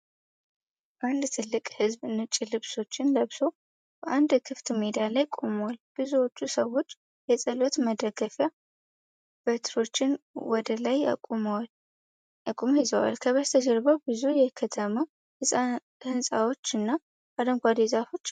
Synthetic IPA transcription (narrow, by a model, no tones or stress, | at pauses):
ʔand̪t̪ʰɨlːɨkʼhɨzβɨnɨt͡ʃʼːɪlɨβso̞t͡ʃːɪnləβso̞ | b̥əʔand̪kʰɨft̪med̪ijalajkʼomwalb̥ɨzuwo̞t͡ʃːusəwo̞t͡ʃː | jɛsʼəlo̞t̪məd̪əɡəfja | b̥ət̪ʰɾo̞t͡ʃːɪnwɔd̪əlaj̰ʼl | ʔəkʼumhɪzəwa̰lkʰəβəst̪ʰəd͡ʒɛɾbəwbɨzujɛkʰət̪ʰəma | hɨsʼa | hɨnsʼawo̞t͡ʃːɨnːḁ | ad̪əŋɡʷad̪ezafo̞t͡ʃː